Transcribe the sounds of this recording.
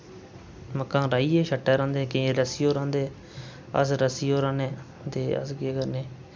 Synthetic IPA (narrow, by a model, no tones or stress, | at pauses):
məkːãːɾaːiːeːʃəʈːɛːɾãːnd̪eːkẽːɾəsiːoːɾãːnd̪eː | ə̰sɾəsiːoːɾãːneː | t̪eːə̰sɡeːkəɾneː